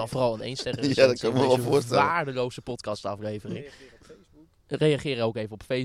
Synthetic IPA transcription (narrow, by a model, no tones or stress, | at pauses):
ɔnfoːrɑlˠənejnstɛrəadɔkønɪkməʋɛlˠvʊːstɛʋaːɹdəlowzəpɔtkɑstɑflejvərɪŋ | rejɑχɪːɾəowkejvənɔpfe